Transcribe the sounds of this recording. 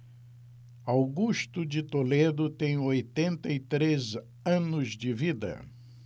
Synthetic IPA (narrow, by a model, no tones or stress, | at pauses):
awɡuʃt̪ʊd͡ʒɪt̪oled̪ʊt̪ẽj̃ojt̪ẽnt̪ɐit̪ɾez | ɐ̃nʊzd͡ʒɪvid̪ɐ̰